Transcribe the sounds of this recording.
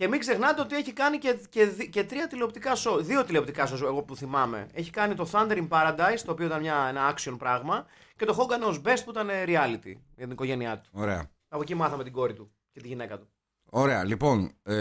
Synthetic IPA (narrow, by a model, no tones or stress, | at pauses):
ce̞miɡzexnɐt̪e̞ot̪ie̞çikɐniceceðice̞t̪ɾiɐt̪ileo̞p̚t̪ikɐsoðio̞t̪ileop̚t̪ikɐsose̞ɣo̞puθimɐme̞̰eçikɐnit̪o̞θɐnd̪eɾimpɐɾɐd̪ɐjst̪o̞ːpioit̪ɐnmɲɐe̞nɐɐksio̞npɾɐɣmɐ | ce̞t̪o̞xo̞ŋɡɐneozbe̞st̪puit̪ɐne̞ɾiɐlit̪ḭ | ʝɐt̪iniko̞ʝe̞niɐt̪u̥oɾeɐ̰ | ɐpo̞cimɐθɐme̞t̪iɡo̞ɾit̪u | ce̞t̪iʝine̞kɐt̪u | o̞ɾeɐ̰lipo̞n